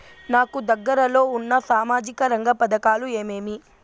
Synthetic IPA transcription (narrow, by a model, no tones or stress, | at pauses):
naːkud̪ɐɡːɐɾɐlo̞ːunːɐsaːmaːd͡ʒikɐɾɐŋɡɐpɐd̪ɐkaːlueːmeːmi